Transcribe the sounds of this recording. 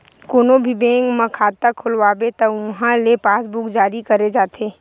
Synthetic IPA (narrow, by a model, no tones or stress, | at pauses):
koːnobʱibẽːŋɡmə̃kʰaːt̪akʰʊlʋaːbet̪ɐʊɦãlepaːsbʊkd͡ʒaːɾikɐɾed͡ʒaːt̪eː